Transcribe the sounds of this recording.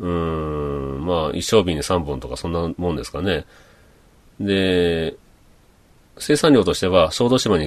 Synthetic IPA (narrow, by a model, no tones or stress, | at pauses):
ɯ̟̃ | maːʔḭɕːo̞ːbʲĩɲ̟ːisãmbɯ̟̃nt̪o̞kasõ̞nːamõnd̪e̞sɨ̥kane̞ | d̪e̞ | se̞ːsãnʲo̞ːt̪o̞ɕi̥t̪e̞βaso̞ːd̪oːɕimaɲ̟i